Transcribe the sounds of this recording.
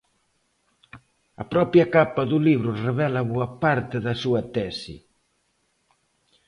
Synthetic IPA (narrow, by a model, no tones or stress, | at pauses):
ɐpɾɔpjɐkapɐðuliβɾʊreβɛlɐβuɐpaɾt̪ɪðɐsuɐt̪ɛsḭ